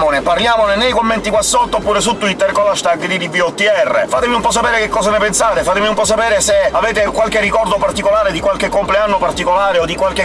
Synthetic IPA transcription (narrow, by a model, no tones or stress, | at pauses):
moneparljaːmonenejkomːɛnt̪ikwasːɔt̪ːoopːuːɾesut̪ːuit̪ːerkolaʃt̪aɡd̪id̪iviɔt̪ːiɛrːḛfaːt̪emiumpɔs̬apɛːɾek̟ekːɔːzanepensaːt̪efaːt̪emiumpɔs̬apɛːɾeseavɛːt̪ekwalkerːikɔrd̪opart̪ikolaːɾed̪ikwalkekːompleanːopart̪ikolaːɾeod̪ːikwalk̟e